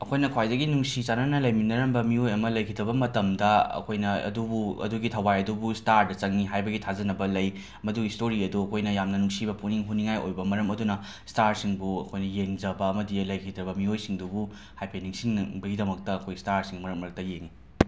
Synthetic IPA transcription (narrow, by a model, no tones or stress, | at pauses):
ɐkʰojnɐkʰwajdɐɡinuŋsit͡ʃananɐlɐjminɐɾɐmbɐmiojɐmɐlɐjkʰidɾɐβɐmɐtɐmdɐɐ̰kʰojnɐɐ̰dubuɐ̰duɡitʰɐwajɐdubustaɾdɐt͡ʃɐŋniɦajbɐɡitʰazɐnɐbɐlɐj | mɐduɡistʰoɾiɐduɐkʰojnɐjamnɐnuŋsibɐpuniŋɦuniŋajo̰jbɐmɐɾɐmɐdunɐ | staɾsiŋbuɐkʰojnɐjeŋd͡ʒɐbɐːmɐdilɐjkʰidɾɐbɐmiojsiŋdubu | hajpʰeniŋsiŋbɐɡidɐmɐk̚tɐːkʰojstaɾsiŋmɐɾɐmɾɐk̚tɐjeŋːi